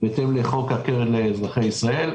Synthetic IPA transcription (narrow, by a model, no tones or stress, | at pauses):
bet̪emleχo̞kakeʁed̪leːzʁaχejisʁae̞l